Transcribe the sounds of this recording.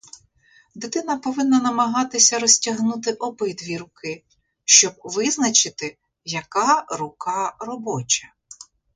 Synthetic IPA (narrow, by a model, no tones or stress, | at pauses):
d̪ɪt̪ɪn̪ɐpɔʋɪnːɐnɐmɐɦɑt̪ɪsʲɐɾɔsʲtʲɐɦnut̪ɪʔɔbɪd̪ʋʲiɾʊkɪ | ʃt͡ʃɔb̚ʋɪznɐt͡ʃɪt̪ɪ | jɐkɑrʊkɑrɔbɔt͡ʃʲɐ